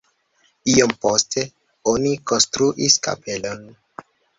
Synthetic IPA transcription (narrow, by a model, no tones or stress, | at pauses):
iomposte̞ | onikonstɾuʔiska̰pe̞lon